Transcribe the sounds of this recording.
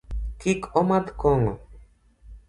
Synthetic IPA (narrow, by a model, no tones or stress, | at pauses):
kikomad̪koŋo